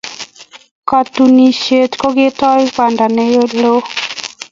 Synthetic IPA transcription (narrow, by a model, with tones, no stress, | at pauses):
ka˨tu˨ni˨ʃe˨tko˦ɡɪ˦tɔ˦jka˨nda˨ne˦jo˦lo˦